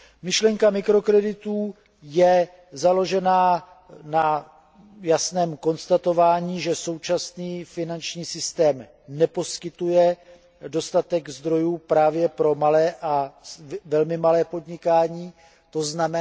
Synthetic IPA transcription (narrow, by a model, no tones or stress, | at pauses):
mɪʃlɛŋkamɪkɾo̞kɾɛdɪt̪uː | jɛ | zalo̞ʒɛnaː | na | jasnɛːmko̞nst̪at̪o̞vaːɲiːʒɛso̞wt͡ʃasniːfɪnant͡ʃɲiːsɪst̪ɛːm | nɛpo̞skɪt̪ujɛ | do̞st̪at̪ɛɡzd̪ɾo̞juːpɾaːvjɛpɾo̞malɛːʔa | vɛlmɪmalɛːpo̞dɲɪkaːɲiː | t̪o̞znamɛ